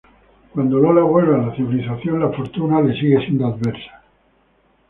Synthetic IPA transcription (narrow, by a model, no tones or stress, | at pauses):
kwand̪ololaɣwe̞lβalaθiβiliθaθjo̞nlafo̞ɾt̪unale̞siɣe̞sje̞nd̪oaðβeɾsḁ